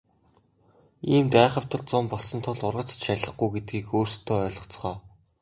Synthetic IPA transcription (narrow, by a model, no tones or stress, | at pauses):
iːmpæːχə̆w̥t̪ə̆ɮt͡sʊmpɔɮsɞ̆nt̪ʰʊɮʊrʁə̆t͡sʃæɮə̆χɡujɡet̪̚ɡiːkoːrst̪ʰoːœːɮɞ̆t͡sχœː